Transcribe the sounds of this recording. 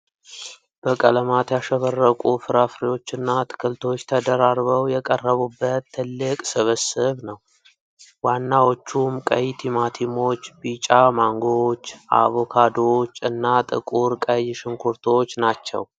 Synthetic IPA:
b̥əkʼələmat̪jaʃəβərːəkʼufɨɾafɾijo̞t͡ʃːɨnːat̪ʰɨ̥kʰɨlt̪ʰo̞t͡ʃːt̪ʰəd̪əɾaɾβəwjɛkʼərːəβubːət̪ʰːɨlːɨkʼsɨβəsɨβnəw | wanːawo̞t͡ʃːumkʼə̰jt̪ʰimat̪ʰimo̞t͡ʃːbit͡ʃʼamaŋɡot͡ʃːa̰βokʰad̪o̞t͡ʃːɨnːat̪ʼɨ̰kʼuɾkʼəjʃɨŋkʰuɾt̪ʰo̞t͡ʃːnat͡ʃːɛ̰w

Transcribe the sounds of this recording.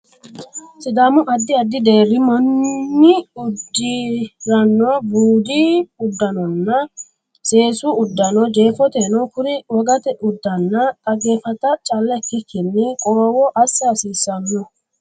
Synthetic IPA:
sɪd̪aːmʊʔɐd̪ːɪɐd̪ːɪd̪e̞ːɾːɪmɔnːɪʊd̪ːɪɾɐnːɔbuːd̪iʊd̪ːɐnɔnːɐ | se̞ːsuʊd̪ːɐnɔd͡ʒe̞ːfɔt̪eːnɔkʊɾɪwɔɡɐt̪ɛʔʊd̪ːɐnːɐt̪ʼɐɡeːfɐt̪ɐt͡ʃʼɐlːɐkːɪkːɪnːɪkʼɔɾɔwɔʔɐsːɐɐsiːsːɐnːɔ

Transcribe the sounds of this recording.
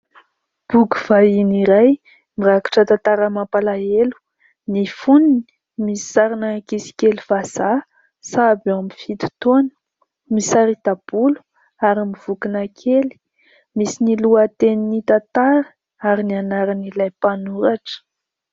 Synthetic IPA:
b̥uɡuv̥ainiɾaj | miraki̥ʈ͡ʂət̪at̪aɾəmapalaelu̥ | nifunini̥ | mii̥saɾinakisi̥kelivaz̥a | sabamifit̪u̥t̪onə̥ | misaɾid̪ab̥ulu̥ | aɾimiv̥ukinakʰeli̥ | misiniluət̪eninit̪at̪aɾə̥ | aɾinianaɾanilajpanuɾaʈ͡ʂə̥

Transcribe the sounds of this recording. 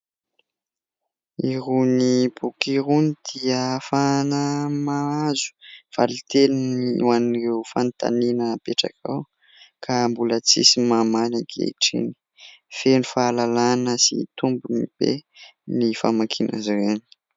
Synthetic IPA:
iɾunipukiɾunid̪̥iəfanəmaazu̥v̥a̰lit̪eliniuanɾewfant̪a̰ninəpeʈ͡ʂa̰kʰa̰w | kʰambulət͡sisimamanakʰḛiʈ͡ʂḭni̥ | fenifaːlalanəsḭt̪umbumib̥ḛnifamakʰinʔa̰zɾeni̥

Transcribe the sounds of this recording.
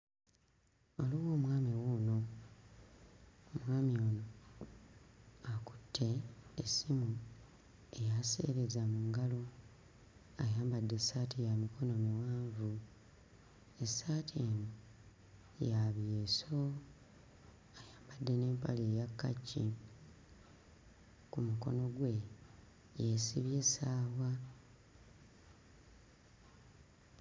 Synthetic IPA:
oliwo̞ːmwaːmiwono̞ | mwaːmio̞ːno | aku̥tʰːe̞esimu | e̞jase̞̰ːɾezamuŋɡalo̞ | ajaːmbadːe̞saːtʰijamikʰo̞no̞miwaːɱvu | esatʰeːno | jaβjeso | ajaːmbadːe̞ne̞ːmpaleːjakːacːi | kumuko̞̰no̞ɡwe̞ | jesiβje̞saːwa

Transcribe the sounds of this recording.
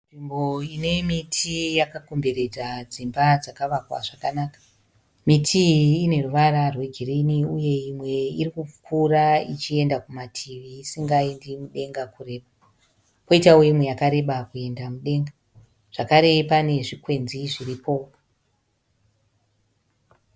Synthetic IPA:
nʐimbo̞ine̞mitʰijakako̞mbe̞ɾe̞d͡zad͡zimbad͡zakaʋakwa̰ʐakanakḁ | mitʰiːne̞ruʋaɾarwe̞ɡʱiriniuje̞imwe̞irikup͡fkʰurait͡ʃie̞ndakumatʰiʋiːsiŋɡaendimuɗe̞ŋɡakure̞ːɓa | ko̞itawoimwe̞jakaɾe̞ɓakue̞ndamuɗe̞ŋɡa | ʐ̥akaɾe̞pane̞ʐikwe̞nziʐiripʰo̞

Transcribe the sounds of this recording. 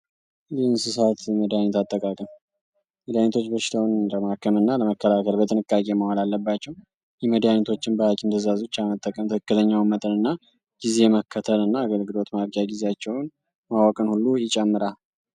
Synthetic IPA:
jɛɨnsɨsat̪məd̪ijaɲːɛt̪at̪ʼːəkʼakʼəm | məd̪janet̪ʰo̞t͡ʃːbəʃɪ̥t̪ʰəwnɾəmakʰːəmɨnːaləməkːəlakʰəlbət̪ʰɨnɨkʼːakʼe̞məhalalːəbːat͡ʃːɛw | jɛməd̪ijanɛt̪ʰo̞t͡ʃːɪnbəhakʰʼɪmt̪ʰəzazot͡ʃːamət̪ʼːəkʼəmt̪ʰəkʰə̥kːɨt̪ʰəɲːawnmət̪ʼənɨnːa | ɡ̥ize̞məkʰːət̪ʰəlɨnːaːɡəlɡɨlo̞t̪maɾkʼjaɡizeat͡ʃːɛwn | mawəkʼənhulːujɪt͡ʃʼɛmːɨɾa

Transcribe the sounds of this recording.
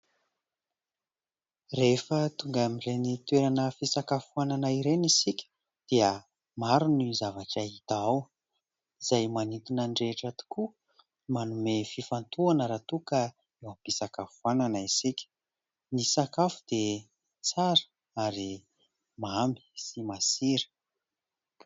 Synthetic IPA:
refət̪uŋɡamirenit̪weɾanəfisakafuananaiɾenisikʲə̥ | d̪̥iə | maɾunizavaʈ͡ʂaɦit̪aaw | izajmanit̪inaɳɖ͡ʐeʈ͡ʂat̪i̥ku | manumefifant̪uanəɾat̪ukə | ewampisakafuananaisikʲə̥ | nisakafud̪̥e | t͡saɾə̥ | aɾi | mambi̥simasiɾə̥

